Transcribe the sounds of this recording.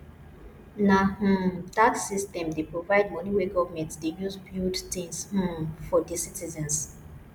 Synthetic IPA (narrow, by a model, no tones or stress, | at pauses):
nah̩datsistɛ̃mdepɹovaɪd̚mɔniweɡɔvmɛ̃ntsdejuzbildtĩŋsh̩fɔdisitizɛ̃ns